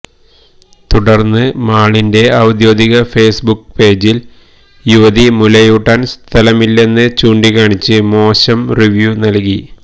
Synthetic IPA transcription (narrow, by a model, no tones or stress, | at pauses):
t̪uɽɐrnːɨmaːɭinde̞ɐwd̪jo̞ːd̪iɣɐfe̞ːsbukːpe̞ːd͡ʑil | juʋɐðimulɐjuʈːanst̪ʰɐlɐmilːe̞nːɨt͡ɕuːɳɖikaːɳit͡ɕːɨmo̞ːɕɐmriʋjunɐlki